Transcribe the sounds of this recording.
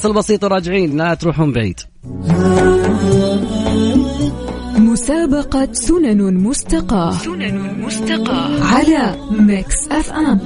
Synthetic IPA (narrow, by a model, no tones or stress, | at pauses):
sɪlbɑsˤiːt̪ˤɑɾˤɑːd͡ʒɪʕiːnnat̪ɾuːħhʊmbaʕḭːt̪ | mʊsaːbɑqɑsʊnanmʊst̪ɪqɑːhʊmʊst̪ɑqɑːʕalamaksʔafʔam